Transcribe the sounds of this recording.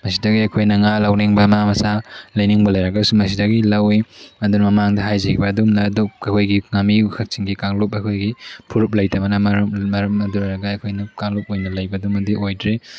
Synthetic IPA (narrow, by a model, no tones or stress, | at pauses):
mɐsidɐɡiɐkʰojnɐŋalɐwneŋbɐmamɐsalɐjniŋbɐlɐjɾɐɡɐsumɐsidɐɡilɐwiɐdunɐmɐmaŋdɐɦajzekʰibɐːdumnɐːdoɐjkʰojɡiŋamikʰɐk̚t͡ʃiŋɡikaŋlupɐjkʰojɡipʰuɾup̚lɐjtʰɐmɐnɐmɐɾɐmmɐɾɐmɐduɾɐɾɐɡɐɐkʰojnɐkaŋlup̚ojnɐlɐjbɐdumɐdiojdɾe